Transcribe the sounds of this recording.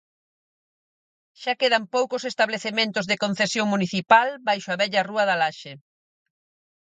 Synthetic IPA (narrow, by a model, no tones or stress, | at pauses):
ʃakeðampowkʊsest̪aβleθemẽnt̪ʊzðekon̟θesjoŋmuniθipalbajʃʊaβɛʎɐruɐðalaʃe